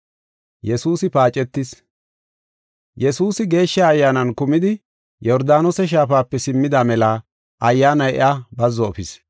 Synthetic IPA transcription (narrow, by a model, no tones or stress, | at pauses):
jɛsuːsɪpaːt͡ʃʼɛt̪ːɪs | jɛsuːsɪɡe̞ːʃːɐːjːaːnɐnkʊmɪd̪ɪ | jɔɾd̪aːnosɛʃ̬aːfaːpːɛsɪmːɪd̪amɛlɐ | ʔɐjːaːnɐjɛ̰ʔabɐzːɔːfɪs